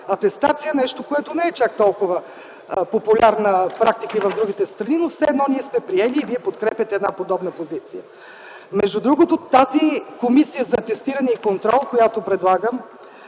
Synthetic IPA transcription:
ɐt̪ɛst̪at̪sijənɛʃt̪okoɛt̪onɛɛt͡ʃak̚t̪ɔlˠkovə | popʊlʲaɾnəpɾak̚t̪ikəivɐvd̪ɾuɡ̟it̪ɛst̪ɾɐninofsɛɛd̪nɔniɛsmɛpɾiɛliːviɛpot̪kɾɛpʲjɐt̪ɛɛd̪na̰pod̪ɔbnəpozit̪sijə̰ | mɛʒd̪ud̪ɾuɡot̪ot̪ːazikomisijəzɐt̪ɛst̪iɾənɛikont̪ɾɔlˠkojat̪opɾɛd̪lˠaɡəm

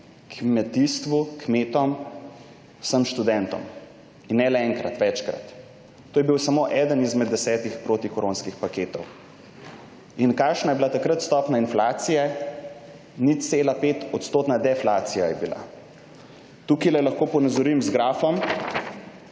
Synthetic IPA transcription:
kʰmɛt̪ist̪ʋukmeːt̪ɔm | səmʃt̪ud̪ɛnt̪ɔ̰m | inːɛlɛɛŋkɾa̰t̪ʋɛt͡ʃkɾa̰t̪ː | oːjɛbiwsamoːʔɛd̪ənizmɛd̪ːɛsɛːt̪ixpɾoːt̪ikɔɾoːnskixpakeːt̪ɔw | inkaːkʃnajɛbilat̪akɾət̪st̪ɔːpnainflaːt̪sijɛ | nit̪seːlapeːt̪ɔt̪st̪oːt̪nad̪ɛflaːt̪sijajɛbila̰ | t̪ukilɛlɐxkoːpɔnazɔɾimzɡɾaːfɔm

